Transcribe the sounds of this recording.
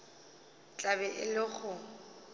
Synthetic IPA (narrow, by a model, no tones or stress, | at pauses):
t͡ɬʼabɛʔɪlɪχʊ